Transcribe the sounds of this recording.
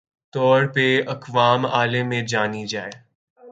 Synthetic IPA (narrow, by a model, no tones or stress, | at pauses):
t̪ɔːɾpeɐkʋaːmaːlemẽd͡ʒaːnid͡ʒaːe